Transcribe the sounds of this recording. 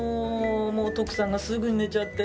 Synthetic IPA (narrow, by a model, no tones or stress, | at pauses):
moːt̪o̞kɯ̟̥sãŋɡasɨɡɯ̟ɲ̟ine̞t͡ɕat̪ːe